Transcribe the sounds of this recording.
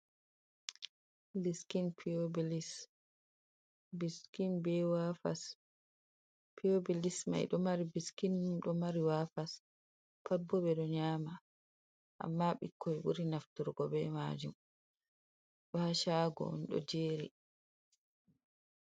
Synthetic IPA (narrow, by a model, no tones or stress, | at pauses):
liskinpʰiobilis | biskinbɛwafa̰s | pʰiobilisma̰jɗɔmaɾibiskinɗɔmaɾiwafas | pʰabːɔɓɛɗɔɲaːma | ʔa̰mːaɓikʰːɔɛɓuɾinaftuɾɡɔɓɛma̰ːd͡ʒum | ɗɔhaʃaɡɔ̰nɗɔ̰d͡ʒeːɾḭ